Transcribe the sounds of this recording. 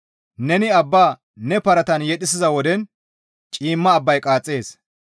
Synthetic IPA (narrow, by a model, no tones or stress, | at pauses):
nɛnɪɐbːaː | nɛpɐɾɐt̪ɐnjɛt̪ʼɪs̬ɪzɐwɔd̪ɛn | t͡ʃʼiːmːɐːbːɐjkʼaːt͡sʼːe̞ːs